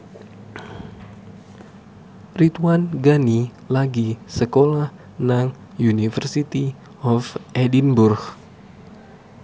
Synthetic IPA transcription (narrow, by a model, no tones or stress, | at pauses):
rit̪uwanɡani | laɡisəkolah | naŋ | junifərsit̪i | ɔfʔedinburx